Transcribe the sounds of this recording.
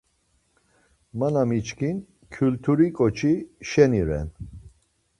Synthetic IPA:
manamit͡ʃkʰin | kʰjult̪ʰuɾikʼɔt͡ʃʰiʃɛniɾɛ̰n

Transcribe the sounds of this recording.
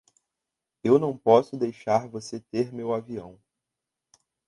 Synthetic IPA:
ewnɐ̃w̃pɔsʊd̪ejʃaɾvoset̪eɾmewaviɐ̃w̃

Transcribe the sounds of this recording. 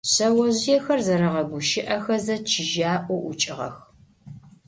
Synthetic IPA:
ɕɐwɐʑjɛxɐrzɐɾɐʁɐɡʷʊʃɪʔɐxɐzɐt͡ʃʰɪʒaːʔʷɔʔʷʊt͡ʃʼɪʁɐ̰x

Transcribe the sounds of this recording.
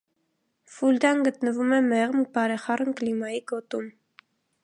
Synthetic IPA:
fuld̪ɑnɡət̪nəvumɛmɛʁmbɑɾɛχɑrənklimɑjiɡɔt̪um

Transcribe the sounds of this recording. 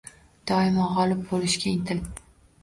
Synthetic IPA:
d̪̥ɒɪmɑʁɒlɪp̚bolɪʃkʲaɪnt̪ʰɪl

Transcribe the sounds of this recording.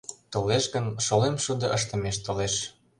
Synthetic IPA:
t̪oleʃɣə̆nʃolemʃud̪ɤ̆ʔəʃt̪ə̆meʃt̪oleʃ

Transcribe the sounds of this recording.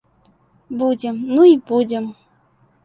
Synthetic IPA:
budʲemnuibudʲem

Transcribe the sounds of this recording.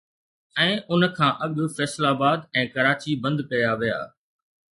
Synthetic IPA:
ɛ̃ːʊnkʰãːʔɐɠfɛːslaːbaːd̪ɛ̃ːkɐɾaːt͡ɕibɐ̃nd̪kɐjaʋija̰ː

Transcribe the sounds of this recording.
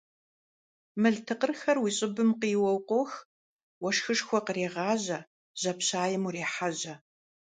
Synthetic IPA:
mɨɮtʰɨqərxɐrwiːɕʼɪbɨmqiːwɔwqʷox | wɔʂxɨʂxʷɔqəreːʁɑːʑɐ | ʑ̥ɐpɕaːjɪmureːħaʑɐ

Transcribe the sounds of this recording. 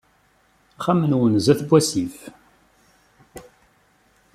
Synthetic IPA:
χæmənwənzæθbʷæsif

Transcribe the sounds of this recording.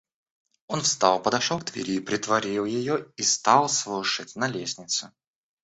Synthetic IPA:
o̞nfst̪ɑlˠpəd̪ɐʂolˠkt̪vʲɪ̰ɾʲipɾʲɪt̪vɐɾʲilˠjɪjoist̪ɑlˠslˠɨʂətʲnɐlʲesʲnʲɪt̪sʊ

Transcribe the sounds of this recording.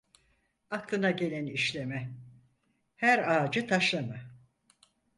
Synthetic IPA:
aklˠɯnaɟe̞lʲæniʃlʲe̞mɛ | hæɾaːd͡ʒɯt̪ʰaʃlˠama

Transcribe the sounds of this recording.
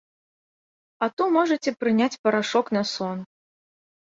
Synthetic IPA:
ɐt̪umɔʐɐt͡sʲɛpɾɨnʲat͡sʲpɐɾaʂɔknɐsɔn

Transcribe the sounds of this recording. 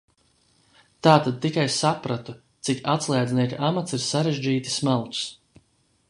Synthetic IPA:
t̪aːt̪ad̪̚t̪ːikajsapɾat̪u | t̪sikat̪slˠaːd̪niɛkʲiʔamat̪siɾsaɾeʒd͡ʒiːt̪i̥smalˠt̪s

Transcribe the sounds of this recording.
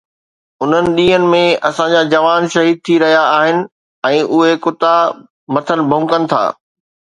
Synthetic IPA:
ʊn̤ənɪ̆ɗĩːɦənɪ̆mẽɐsãɲd͡ʑaːd͡ʑɐʋaːnʃɐɦiːd̪̚t̪ʰiɾɐɦijaaːɦɪnɪ̆ | ɛ̃ːʔʊɦekʊt̪a | mɐt̪ʰənɪ̆bʱʊ̃ŋkənɪ̆t̪ʰa̰ː

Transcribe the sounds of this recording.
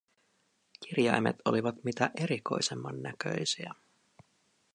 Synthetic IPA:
k̟irjɑjme̞̰t̪o̞liʋɑt̪mit̪æʔe̞ɾiko̞̰jse̞mːɑnːækø̞̰jsiæ

